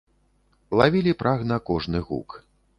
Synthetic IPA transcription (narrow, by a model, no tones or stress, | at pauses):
lˠavʲilʲipɾʔaɣnɐkɔʐnɨɣṵk